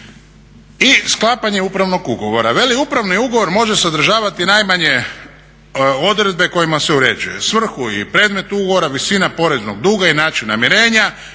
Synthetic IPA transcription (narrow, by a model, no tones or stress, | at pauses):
isklˠaːpaɲe̞upɾaʋno̞ɡuɡo̞ʋo̞ɾaʋe̞liupɾaʋniuɡo̞ʋo̞ɾmo̞ʒe̞sad̪r̩ʒaːʋat̪inajmaɲe̞ | o̞d̪ɾe̞d̪̚be̞ko̞jimaseuɾe̞d͡ʒuje̞̰sʋr̩xuḭpɾe̞ːd̪me̞t̪uuɡo̞oɾaʋisinapo̞ɾe̞znoɡ̚d̪uːɡainaːt͡ʃinːamiɾe̞ːɲa